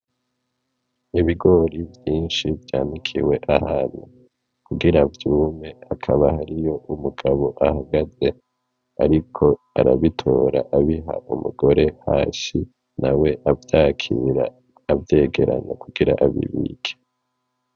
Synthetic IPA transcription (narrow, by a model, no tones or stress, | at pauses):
iβiɡo̞ɾivjiːnʃivjaːnikʰḭwe̞ʔahaːnu | kuɡiɾavjuːme̞akʰaβahaɾijo̞ʔumuɡ̥aβo̞ʔahaɡaze̞ | aɾikʰo̞ | aɾaβitʰo̞ːɾaʔaβiɦa̰umuɡo̞ɾe̞haːsi | nawe̞ʔavjaːkʰiɾa̰ː | vje̞ːɡe̞ɾa̰na̰kuɡiɾa̰ʔaβḭβḭɡe̥